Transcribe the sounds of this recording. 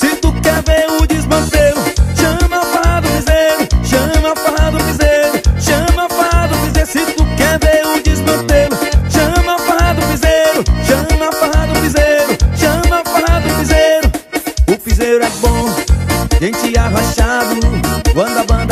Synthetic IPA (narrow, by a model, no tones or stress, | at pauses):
sɪt̪ukɛɾveɾʊd͡ʒizmɐ̃t̪elʊʃɐ̃mɐfaad̪ʊpizeɾʊʃɐ̃mɐfaɾad̪ʊpizejɾʊʃɐ̃mɐfaad̪ʊpizeɾsɪt̪ukɛɾveɾʊd͡ʒizmɐ̃t̪elʊʃɐ̃mɐfaɾad̪ʊpizeɾʊʃɐ̃mɐfaɾad̪ʊpizejɾʊʃɐ̃mɐafaɾad̪ʊpizeɾʊʊpizejɾʊɛbõ | ʒẽt͡ʃiavaʃad̪ʊbɐ̃d̪ɐbɐ̃nd̪